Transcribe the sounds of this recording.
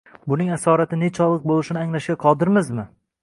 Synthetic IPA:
bʊnɪŋasɒɾat̪ɪnet͡ʃʰɒlˠɨq̚bolˠɪʃɪnɪaŋlaʃɡʲaqʰɒd̪ɪɾmɪzmɪ

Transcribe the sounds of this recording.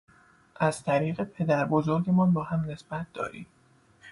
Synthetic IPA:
ʔæz̥t̪ʰæɾiːɣe̞pʰe̞d̪æɾbozoɾɡe̞mɒːnbɒːhæmne̞sb̥æt̪̚d̪ɒ̰ːɾḭːm

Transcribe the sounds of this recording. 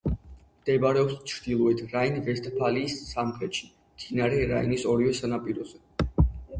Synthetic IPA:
md̪̥ɛbaɾɛɔpst͡ʃʰɾd̪ilˠɔɛt̪ʰɾainvɛst̪ʰʼpʰaliːsːamχɾɛt̪ʃi̥ | t̪ʰinaɾɛɾainisɔɾivɛsanapʼiɾɔzɛ

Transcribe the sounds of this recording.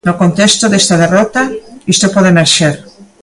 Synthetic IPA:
nokont̪est̪oðest̪aðerot̪aist̪opoðemeɾʃeɾ

